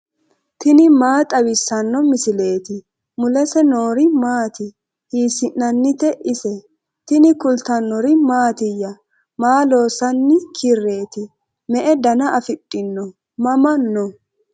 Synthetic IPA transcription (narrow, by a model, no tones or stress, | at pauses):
t̪ɪnɪmaːt̪ʼɐwɪsːɐnːɔmɪsɪle̞ːt̪ɪ | mʊlɛsɛnoːɾɪmaːt̪ɪ | hiːsɪnːɐnːɪt̪ɛʔɪsɛ | t̪ɪnɪkʊlt̪ɐnːɔɾɪmaːt̪ɪjːɐ | maːlo̞ːsɐnːɪkʰɪrːe̞ːt̪ɪ | mɛʔɛd̪ɐnɐʔɐfɪtʼːɪnːɔ | mɐmɐnːɔ